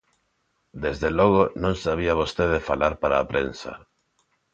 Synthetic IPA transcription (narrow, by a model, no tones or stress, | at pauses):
d̪ezðelɔɣ̞onõŋsaβ̞iaβ̞ost̪eðefalaɾpaɾaːpɾensa̰